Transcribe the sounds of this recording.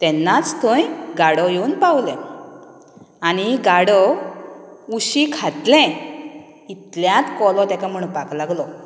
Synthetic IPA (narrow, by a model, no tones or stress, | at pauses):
t̪ɛnːat͡st̪ʰõjɡaɽɔjeunpawlɛ̃ | aniɡaɽɔ | uɕikʰat̪lɛ̃ | it̪ljat̪kɔlɔ̃t̪akam̤əɽ̃ũnpaklaɡlɔ